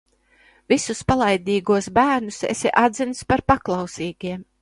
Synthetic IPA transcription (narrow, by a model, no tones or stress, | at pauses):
visuspalˠajd̪ʲiːɡuɔsbæːɾnusḛsiʔad̪zinspaɾpaklˠɑwsiːɡiɛm